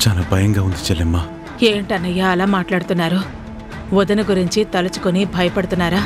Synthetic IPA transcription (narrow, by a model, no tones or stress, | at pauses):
t͡ʃaːlaːbʱɐjɐŋɡaːund̪it͡ʃɛlːemːaː | eːɳʈɐnːɐjːaːɐlaːmaːʈlaːɽut̪unːaːɾu | ʋɔd̪ɐnɐɡuɾiɲt͡ʃit̪ɐlɐt͡ʃu̥konibʱɐjɐpɐɽut̪unːaːɾaː